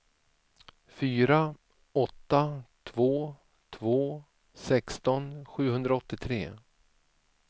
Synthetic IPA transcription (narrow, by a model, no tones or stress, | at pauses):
fyːɾa | ɔt̪ːat̪ʰvoː | t̪ʰvoː | sɛkst̪ɔnɧʉ̟ːhɵnd̪ɾaɔt̪ːɪt̪ʰɾḛː